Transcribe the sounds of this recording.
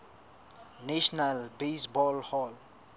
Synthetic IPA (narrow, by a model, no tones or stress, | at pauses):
naʃɔnalbesbɔlhɔl